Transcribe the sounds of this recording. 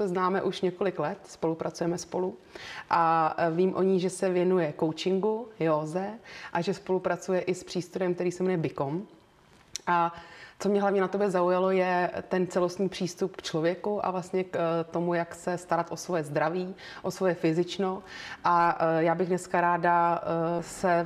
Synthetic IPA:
sɛznaːmɛʔuʃɲɛko̞lɪklɛt̪spo̞lupɾʔat͡sujɛmɛspo̞luʔaviːmʔo̞̰ɲiʒɛsɛvjɛnujɛkowt͡ʃɪŋɡujoːzɛʔaʒɛspo̞lupɾat͡sujɛʔɪspr̝̥iːst̪uɾɛmk̚t̪ɛɾiːsɛmɛnujɛbɪkom | ʔat͡somɲɛɦlavɲɛnat̪o̞bjɛzaujalojɛt̪ɛnt͡sɛlost̪ɲiːpr̝̥iːst̪upkt͡ʃlovjɛkuʔa̰vlast̪ɲɛkt̪o̞mujaksɛst̪aɾat̪ʔo̞svo̞jɛzd̪ɾaviː | ʔo̞svo̞jɛfɪzɪt͡ʃnoʔajaːbɪɣdnɛskaɾaːda | sɛ

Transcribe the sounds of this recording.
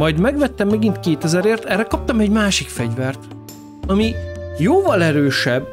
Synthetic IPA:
mɒjd̪mɛɡʋɛt̪ːɛmːɛɡint̪keːt̪ɛzɛɾeːrt̪ɛrɛkɒp̚t̪ɒmɛɟmaːʃikfɛɟvɛrt̪ | ɒmijoːvɒlɛɾøːʃɛb

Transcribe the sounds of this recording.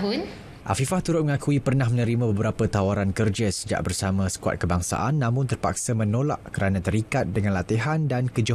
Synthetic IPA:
ʊn | ʔa̰fifaht̪uɾʊt̪̚məŋakuipərnahmə̃nə̃ɾimãbəbəɾapət̪awaɾankərd͡ʒasəd͡ʒa̰ʔ̚bərsamãsə̥kua̰t̪̚kəbaŋsa̰ʔanːãmʊ̃nt̪ərpa̰k̚samə̃nola̰ʔkəɾanãt̪əɾikat̪̚dəŋãnlat̪iɦandankəd͡ʒo

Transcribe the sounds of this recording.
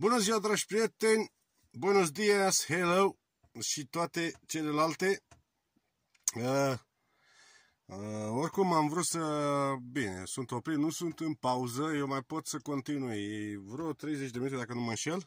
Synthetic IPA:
bunəziwad̪ɾaʒpɾiet̪enʲ | bunəzd̪ieshelow | ʃit̪oat̪et͡ʃe̞lelalt̪e | ə | orkumamvɾut̪səbinḛsunt̪opɾinusunt̪ɨnpauzəjewmajpo̞t̪səko̞nt̪inuivɾot̪ɾejzet͡ʃd̪eminut̪eakənumamʃel

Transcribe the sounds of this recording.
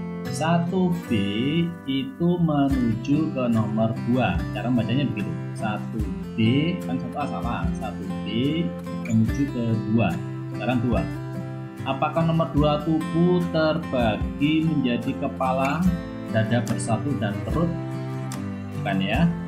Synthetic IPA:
sat̪ub̥eit̪umənud͡ʒukənomərd̥uat͡ʃaɾaŋbat͡ʃaɲabəɡit̪u | sat̪ub̥ekansat̪ulasama̰sat̪ub̥e | mənud͡ʒukədua | sə̥kaɾaŋd̪ua | ʔapakahnomərduat̪ubut̪ərb̥aɡiməɲd͡ʒadikəpala | dadabərsat̪udant̪əɾʊt̪̚ | bukanja

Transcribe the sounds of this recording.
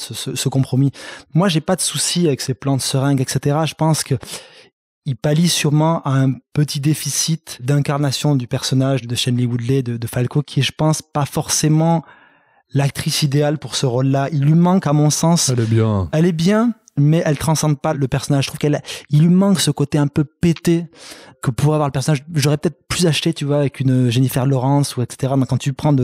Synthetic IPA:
səsəsəkɔ̃pχɔmimwaʒepad̪əsusiavɛkseplɑ̃t̪əsəʁɛ̃ɡɛkset̪eʁaʒəpɑ̃skə | ilpalisyʁmɑ̃ʔaɛ̃pət̪ʰid̪efisit̪d̪ɛ̃kaʁnasjɔ̃d̪ypɛʁsɔnaʒd̪əʃɛnliwud̪lɛd̪əd̪əfalkokʰʲiɛʒəpɑ̃spafɔʁsemɑ̃ | lak̚t̪χisid̪ealpuʁsəʁolːailːimɑ̃kamɔ̃sɑ̃sɛlɛbjɛ̃ɛlɛbjɛ̃ | mɛʔɛlt̪χɑ̃sɑ̃d̪̚paləpɛʁsɔnaʒət̪χuvkɛlɛilːɥimɑ̃ksəkot̪eɛ̃pøpet̪ekəpuʁɛavwaʁləpɛʁsɔnaʒʒɔʁɛpøət̪ɛt̪χplyzaʃt̪et̪yvwaːvɛkynʒenifɛʁlɔʁɑ̃suɛkse̥t̪eʁad̪ɔ̃kːɑ̃t̪ypχɑ̃d̪ə

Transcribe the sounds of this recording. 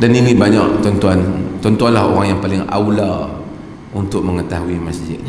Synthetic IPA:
danilibaɲaʔt̪ɔnt̪uant̪ɔnt̪uanlaho̰ɾaŋjaŋpalɪŋa̰wla | unt̪ʊʔ̚məŋət̪aɦuimasd͡ʒɪ̰t̪̚

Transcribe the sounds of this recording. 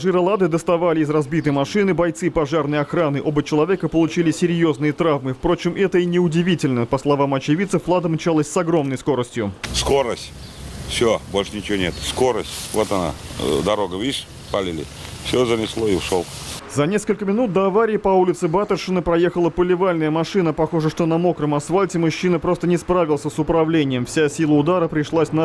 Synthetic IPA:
ʐɨɾɐlˠad̪ɨd̪əst̪ɐvalʲɪɪzrɐzbʲit̪əjmɐʂɨnɨbɐjt̪sɨpɐʐarnɨjɐxɾanɨʔo̞bət͡ɕɪlˠɐvʲe̞kəpəlˠʊt͡ɕilʲɪsʲɪɾʲjo̞znɨjət̪ɾavmɨfpɾo̞t͡ɕɪmʔɛt̪əinʲɪʊdʲɪvʲitʲɪlʲnəpəslˠɐvamɐt͡ɕɪvʲit̪sɨflˠad̪əmt͡ɕalˠəsʲsɐɡɾo̞mnəjsko̞ɾəsʲtʲjʊsko̞ɾəsʲtʲ | fsʲobo̞lʲʂənʲɪt͡ɕɪvonʲet̪sko̞ɾəsʲtʲvot̪ɐna̰d̪ɐɾoɡəvʲiʂ | palʲɪlʲɪ̰fsʲozənʲɪslˠoɪʊʂolˠ | zɐnʲe̞skəlʲkəmʲɪnut̪̚d̪əɐvaɾʲɪɪpɐulʲɪt̪sɨbat̪ərʂɨnəpɾɐje̞xəlˠəpəlʲɪvalʲnəjəmɐʂɨnəpɐxo̞ʐəʂt̪o̞nɐmo̞kɾəmɐsfalʲtʲɪmʊɕːinəpɾo̞st̪ənʲɪspɾavʲɪlˠsʲəsʊpɾɐvlʲenʲɪjəmfsʲasʲilˠəʊd̪aɾəpɾʲɪʂlˠasʲnɐ

